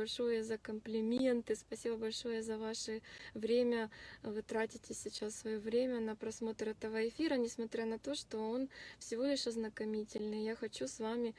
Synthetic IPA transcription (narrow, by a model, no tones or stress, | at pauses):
bɐlʲʂo̞jəzəkəmplʲɪmʲe̞nt̪ɨspɐsʲibəbɐlʲʂo̞jəzɐvaʂɨvɾʲemʲəvɨt̪ɾatʲɪtʲɪsʲɪt͡ɕassvɐjovɾʲemʲənəpɾɐsmo̞t̪ɾɛt̪əvəɪfʲiɾənʲɪsmɐt̪ɾʲanɐt̪o̞ʂt̪o̞o̞nfsʲɪvolʲɪʂɐznəkɐmʲitʲɪlʲnɨjjaxɐt͡ɕusvamʲɪ